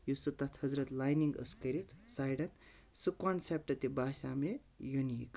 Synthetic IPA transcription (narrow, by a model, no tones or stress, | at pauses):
jusɨt̪ɐt̪ʰhɐzɾɐt̪lajniŋɡə̰skɐɾit̪ʰsaːjɽɐn | sɨkaɳsep̚ʈɐt̪ibaːʃaːme | junik